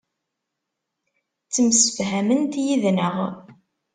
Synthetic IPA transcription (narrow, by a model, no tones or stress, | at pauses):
t͡sːəmsə̥fɦæmənt̪jiðnəʁ